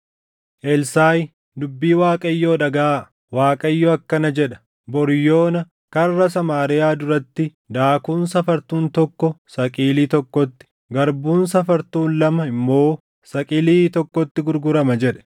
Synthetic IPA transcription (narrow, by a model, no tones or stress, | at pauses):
ʔɛlsaːj | d̪ʊbːiːwaːkʼɐɪjːoːᶑɐɡaː | waːkʼɐjːoɐkːɐnɐd͡ʒɛᶑɐ̥ | bɔɾjo̞ːnɐ | kɐrːɐs̬ɐmaːɾɪjaːd̪ʊɾɐt̪ːɪ | d̪aːkuːnsɐfɐɾt̪uːnt̪ɔkːɔsɐkʼiːliːt̪ɔkːɔt̪ːɪ̥ | ɡɐɾbuːns̬ɐfɐɾt̪uːnlɐmɐɪmːo̞ː | sɐkʼiːliːt̪ɔkːɔt̪ːɪɡʊɾɡʊɾɐmɐd͡ʒɛᶑɛ̥